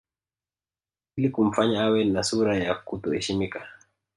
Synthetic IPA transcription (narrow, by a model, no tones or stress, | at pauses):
ilikum̩faɲaawɛnasuɾajakutɔhɛʃimika